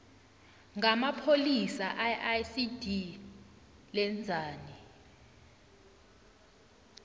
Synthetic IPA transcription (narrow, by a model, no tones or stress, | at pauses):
ŋɡamapʰolisaʔaʔasid̥ʱi | lɛnd͡zʱaːni